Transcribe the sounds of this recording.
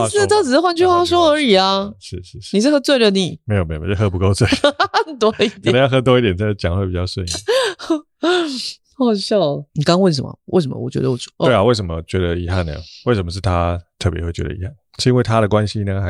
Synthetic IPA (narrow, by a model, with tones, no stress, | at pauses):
t̪ʈ͡ʂɻ̩˨˩ə˥wa˥˧nt͡ɕʰy˥˧˥wa˥ʂ̬wɔ˥ə˧˥i˨˩a˧ʂɻ̩˥˧ʂɻ̩˥˩ni˨˩ʂɻ̩˥˩xɤ˧˥t͡swe˥˩ɪdə˩ni˨˩˦me˧˥ɪo˨˩me˧˥˧o˥˩xɤ˧˥pu˧ko˥ʊt͡swe˥˩ɪt̪wɔ˥i˥˩t̪jjnə˦jxɤ˧˥t̪wɔ˥i˥˩t̪jɛ˨˩nt͡sə˧˥˩t͡ɕjɑ˨˦ŋxwe˥˩pi˨˩t͡ɕjɑ˥˧ʊswə˥˧ni˥˩ | xɑ˨˩ʊɕjɑ˥˩ʊni˨˩ka˥ŋɑ˥ŋwə˥˩nʂ̬ə˨˩mə̰˨˩we˥˩ɪʂ̬ə˧˦mə̰˧wɔ˨˩t͡ɕɥɛ̰˧˥d̪ə˧wɔ˨˩˥we˥˩a˨˦we˥˩ɪʂ̬ə˧˥˩mə˧t͡ɕɥɛ˧˥d̪ə˧i˧˥xa˥˩nə̰˨˩we˥˩ɪʂə˧˩mə˦ʂɻ̩˥˩t̪ʰa˦t̪ʰɤ˥˩pjɛ̰˧˦xwe˥˩t͡ɕɥɛ̰˧˥ə̰˧i˧˥xa˥˩nʂ̩˥˧i˥ŋwe˥˩ɪt̪ʰa˦ɾə˨kwa˦nɕi˥na˥˩ɡə˥˩˧